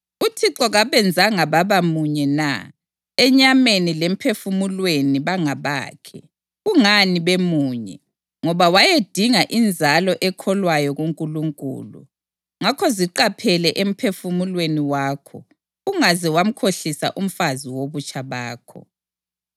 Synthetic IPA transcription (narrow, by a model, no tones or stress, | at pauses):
utʰiǁɔɣaβɛnd͡zʱaŋaβaβamuɲɛna̰ | ɛɲamenilem̩pʰefumulweniβaŋaβa̰ːkʰɛ | ɣuŋaniβemuːɲɛ̰ | ŋɔβawajed̥ʱiŋaʔind͡zʱalɔʔɛkʰɔlwajɔɣuŋkʼuluŋkʼṵːlṵ | ŋakʰɔziǃapʰɛlɛʔem̩pʰefumulweniwaːkʰɔ̰ | uŋazɛwam̩kʰoɬisa̰ʔum̩faziwoβut͡ʃʼaβaːkʰɔ̰